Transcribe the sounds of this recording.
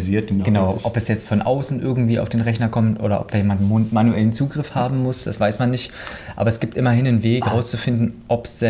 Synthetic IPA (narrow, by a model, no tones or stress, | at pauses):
ziːɐtɡ̥ənaʊʔɔpɛsjɛt͡stfɔnʔa̰ʊsn̩ʔɪɐɡŋ̩tv̥iːa̰ʊfd̥eːnʁɛçnɐkʰɔmtʔo̰ːɾɐ̰ʔɔ̰p̚d̥aːjeːmantmanuʔɛlənt͡suːɡʁɪfhaːbm̩mʊsd̥asv̥aɪsmanːɪçt | ʔa̰ːbɐɛsɡ̥iːptʔɪmɐhɪnənveːkʁaʊst͡sufɪndn̩ʔɔpɛ